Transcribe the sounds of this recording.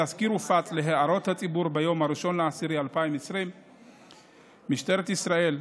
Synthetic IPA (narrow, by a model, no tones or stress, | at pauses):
azkiɾufat̪le̞ɦeaɾo̞t̪hat͡sʼibuɾbejo̞mhaɾiʃo̞nleasiɾialpaimesɾim | iʃt̪e̞ɾet̪isɾae̞l